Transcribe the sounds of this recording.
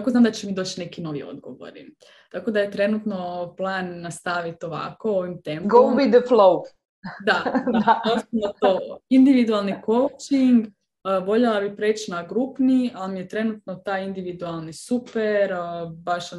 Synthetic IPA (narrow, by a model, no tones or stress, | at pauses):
akoznamd̪at͡ɕemid̪oːt͡ɕne̞kino̞ʋio̰d̪ɡoʋo̰ɾḭ | t̪ako̞d̪ajet̪ɾe̞nut̪no̞plˠaːnːast̪aʋit̪oʋa̰ko̞oʋimt̪empɡowid̪əflow | d̪aosnat̪oind̪iʋid̪ualˠniko̞wt͡ʃiŋɡ | ʋo̞ʎelˠabipɾe̞ːt͡ɕnaɡɾupnialmijet̪ɾe̞nut̪no̞t̪aːjind̪iʋid̪ualˠnisupeɾbaʃ